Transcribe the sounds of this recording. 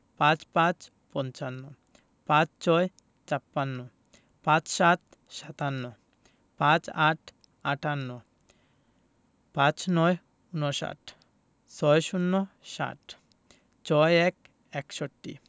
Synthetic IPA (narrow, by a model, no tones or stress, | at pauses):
pãt͡ɕpãt͡ɕ | pɔnt͡ɕanːo | pãt͡ɕt͡ɕɔe | t͡ɕapːanːo | pãt͡ɕʃat̪̚ | ʃat̪anːo | pãt͡ɕaʈʰ | aʈʰanːo | pãt͡ɕnɔe | unoʃa̰ʈ | t͡ɕɔeʃunːoʃa̰ʈ | t͡ɕɔeɛk | ɛkʃoʈːḭ